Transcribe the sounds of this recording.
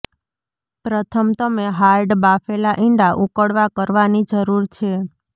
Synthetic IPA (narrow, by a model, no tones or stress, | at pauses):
pɾət̪ʰəmt̪əmeɦaɾɖbafelaʔĩɳɖaʔukəɽʋakəɾʋanid͡ʒəɾuɾt͡ʃʰe